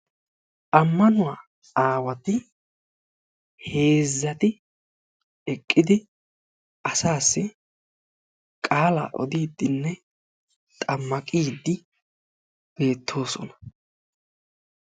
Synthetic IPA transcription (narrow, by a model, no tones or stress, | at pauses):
ʔɐmːɐnʊwaː | aːwɐt̪ɪ | he̞ːzːɐt̪ɪ | ɛkʼːɪd̪ɪ | ɐsaːsːɪ | kʼaːla̰ːʔɔ̰d̪iːd̪ːɪnːɛ | t̪ʼɐmːɐkʼiːd̪ːɪ | b̥e̞ːt̪ʰːo̞ːsɔnɐ̥